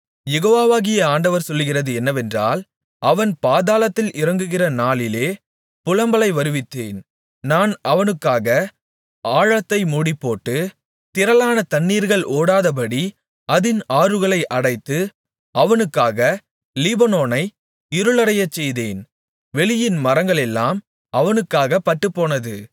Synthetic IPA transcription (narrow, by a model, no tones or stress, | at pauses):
jɛɣoːʋaːʋaːɣɪjɐaːɳɖɐʋɐɾsɔlːɯɣɪrɐðɯɛnːɐʋɛndra̰ːl | ʔɐʋɐnpaːðaːlɐt̪ːɪlʔɪrɐŋɡɯɣɪrɐnaːlɪleː | pʊlɐmbɐlɐɪʋɐɾɯʋɪt̪ːḛːn | naːnɐʋɐnɯkːaːɣɐ | aːɻɐt̪ːɐɪmuːɽɪpːoːʈːɯ | t̪ɪɾɐlaːnɐt̪ɐnːiːɾɣɐɭʔoːɽaːðɐp̬ɐɽi | ɐðɪnaːɾɯɣɐɭɐɪʔɐɽɐɪt̪ːɯ | ɐʋɐnɯkːaːɣɐ | lɪbɐnoːnɐɪ | ɪɾɯɭɐɾɐjɐt͡ʃːɛjðeːn | ʋɛɭɪjɪnmɐɾɐŋɡɐɭɛlːaːm | ʔɐʋɐnɯkːaːɣɐpɐʈːɯpːoːnɐðɯ